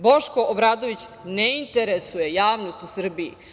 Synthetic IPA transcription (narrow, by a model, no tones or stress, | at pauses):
bo̞ʃko̞ʔobɾaːd̪o̞ʋit͡ɕneint̪eɾesuje̞jaːʋno̞st̪usr̩biḭ